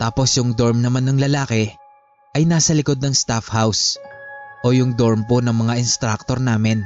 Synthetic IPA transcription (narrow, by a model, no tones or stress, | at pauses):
t̪aːpo̞sjʊŋd̪o̞ɹmnɐmanːɐŋlɐlaːkɛ | ʔɐjnaːsɐlɪko̞d̪̚nɐŋst̪afhaws | ʔo̞jʊŋd̪o̞ɹmponɐŋmɐŋaʔɪnst̪ɾak̚t̪o̞ɾnaːmɪn